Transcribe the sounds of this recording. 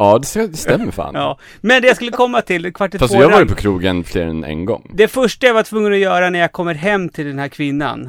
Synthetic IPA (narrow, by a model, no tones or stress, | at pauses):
ɑːd̪ɛsd̪ɛst̪ɛmːəɾfa̰ːnɑː | mɛnd̪ɛjaskɵlːəkʰɔmːat̪ʰɪlkʰvaʈːɛt̪fast̪jɑːavɑːɾjəpʰɔkʰɾuːɡənflḛːɾɛ̰nɛ̰nɡɔ̰ŋːd̪ɛfœʂʈajavaʈʰvɵŋːənɔjœːɾanæɾjakʰɔmːəɾɦɛmːt̪ʰɪld̪ɛnhæːɾkʰvɪnːa̰n